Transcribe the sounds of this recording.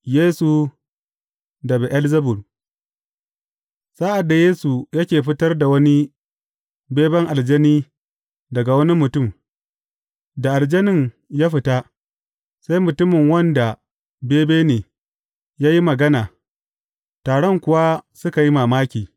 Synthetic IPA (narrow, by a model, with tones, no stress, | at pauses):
jeː˦su˨ | dɐ˨be˨ʔa˦lzɐ˦bʊ˨l | saː˦ʔa˨dːa˨jeː˦su˨jɐ˦kʲeː˨ɸɪ˦tɐ˦rda˨wɐ˦ni˦ | beː˦bɛ˦ŋʔa˨ld͡ʒɐ˦niː˦ | dɐ˨ɡa˨wɐ˦ni˦mʊ˨tʊ˦˨m | da˨ʔa˨ld͡ʒɐ˦nɪ˦ŋ | jaː˦ɸɪ˦ta˦ | sa˦jmʊ˨tʊ˦mɪ˨ŋwɐ˦nda˨ | beː˦beː˦neː˨ | jaː˦ji˦mɐ˨ɡɐ˦naː˨ | taː˨ɽɔ˦ŋkʷʊ˨wa˦sʊ˦ka˨ji˦maː˨maː˦kʲiː˨